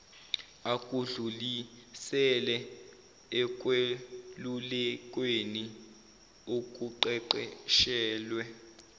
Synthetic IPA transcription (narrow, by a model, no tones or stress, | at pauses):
akʼuɮulisɛlɛ | ɛk̬ʼwelulɛkʼweni | ok̬ʼuǃɛǃɛʃɛːlwɛ